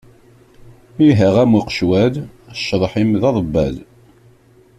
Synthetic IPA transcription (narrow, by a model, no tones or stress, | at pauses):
iɦəʁæmuqʃwæðʃːəðˤħimðɑðˤbːæ̰ð